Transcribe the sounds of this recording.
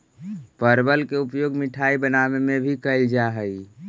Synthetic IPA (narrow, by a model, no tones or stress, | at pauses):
pəɾbəlkeupjoɡmiʈʰaibənamemẽbʱikəɪld͡ʒaɦəi